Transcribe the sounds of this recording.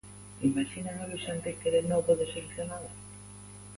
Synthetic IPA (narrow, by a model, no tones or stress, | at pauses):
imaʃinaŋaβiʃant̪ekeɾenowpoðeseleθjonal